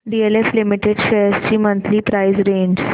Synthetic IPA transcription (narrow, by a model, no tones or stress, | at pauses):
ɖieleflimiʈeɖʃesʈiːmənt̪ʰlipɾaɪzɾẽːɲɖ